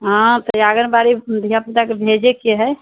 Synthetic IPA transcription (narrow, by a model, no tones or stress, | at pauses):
ɦãt̪ɔjaɡənbaɾid̪ʱijapit̪akebʱed͡ʒekeɦɛ